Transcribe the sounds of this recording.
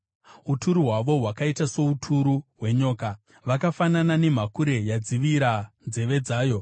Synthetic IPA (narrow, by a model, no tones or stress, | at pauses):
utuɾuɦwaʋo̞ɦwakaitaso̞utʰuɾuɦwe̞ɲo̞ːka | ʋakafananane̞m̤akuɾe̞jad͡ziʋiɾand͡ze̞ʋe̞d͡zaːjo̞